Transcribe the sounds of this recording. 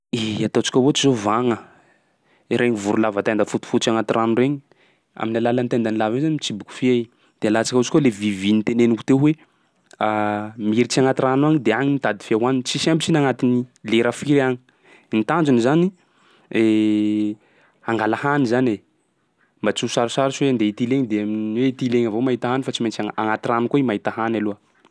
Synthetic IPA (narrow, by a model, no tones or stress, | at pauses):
iat̪ot͡si̥kʲawot͡ʃizovaŋə | ɾʔeɲivuɾulavat̪and̪afut̪u̥fut̪t͡ʃiaŋat̪iranureɲi | a̰minalalant̪end̪anilavezanimit͡ʃibuku̥fie | d̪̥ealat͡sḁkaut͡ʃi̥kʲolevivinit̪eneniku̥t̪ewe | miɾit͡ʃiaŋat̪iranuaŋid̪eaŋinit̪ad̪i̥fiawanint͡ʃisambit͡ʃinaŋat̪inileɾafiɾaɲi̥ | nt̪and͡ʒunizani | e | aŋɡalahanizane | mbat͡susaɾusaɾit͡ʃiweand̪eit̪ileŋid̪eamiiweit̪ileŋavomaɦit̪aɦanifat͡simet͡ʃaaŋat̪iranukoimaɦit̪aɦanalua